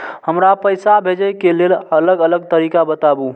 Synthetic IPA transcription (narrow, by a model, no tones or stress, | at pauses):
həmɾapəjsabʱed͡ʒəjkelelələɡələɡ̚t̪əɾiːkabət̪abu